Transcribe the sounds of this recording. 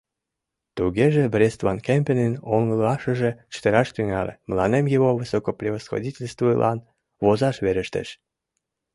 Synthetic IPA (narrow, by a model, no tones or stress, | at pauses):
t̪uɣeʒĕbrʲest̪vɑnkempʲenenoŋəlɑʃə̆ʒĕt͡ɕə̥t̪eɾɑʃt̪yŋɑlʲḛmlɑnemjiβoβɨsokopɾʲiβosxo̰dʲitʲelʲst̪vuilʔɑn | βozɑʃβeɾəʃt̪ḛʃ